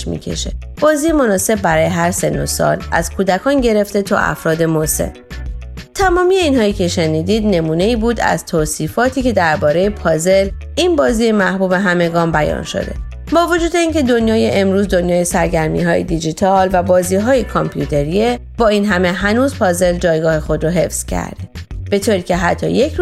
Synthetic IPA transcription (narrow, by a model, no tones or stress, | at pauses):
mḭːkʰḛʃḛb̥ɒːziːjemo̞nɒːse̞b̚ːæɾɒːjeɦæɾse̞nːo̰sɒ̰ːlʔæz̥kʰuːd̪ækʰɒːnɟe̞ɾe̞ft̪e̞t̪ʰɒ̰ːʔæ̰fɾɒːd̪e̞mose̞̰l | t̪ʰæmɒːmije̞inɦɒːiːcʰe̞ʃe̞niːd̪iːd̪ne̞muːne̞iːbuːd̪æ̰z̥t̪ʰoːsiːfɒːt̪ʰiːcʰe̞d̪æɾbɒːɾejepʰɒːze̞l | inbɒːziːjemæhbuːbe̞ɦæme̞ɡɒːmbæjɒ̰ːnʃo̞̰d̪e̞̰ | bɒːvo̞d͡ʒuːd̪e̞iːncʰed̪o̞njɒːjeʔemɾuːzd̪o̞njɒːjesæɾɟæɾmḭːɦɒ̰ːjḛd̪id͡ʒit̪ʰɒːlvæbɒːziːɦɒːjekʰompʰjuːt̪ʰe̞ɾie | bɒːiːnɦæme̞ɦænuːzpʰɒːze̞ld͡ʒɒːjɡɒːhe̞xo̞d̪ɾoɦe̞fz̥cʰæ̰ɾd̪̥eb̥e̞t̪ʰoɾiːcʰe̞ɦæt̪ʰːɒ̰jekʰ